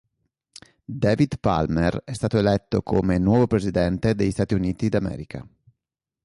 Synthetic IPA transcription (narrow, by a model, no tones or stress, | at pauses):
d̪ɛːvid̪pa̰lmerɛst̪aːt̪oelɛt̪ːokʰomenwɔːvopɾezid̪ɛnt̪ed̪eʎist̪aːt̪iuniːt̪id̪amɛ̰ːɾikʰa̰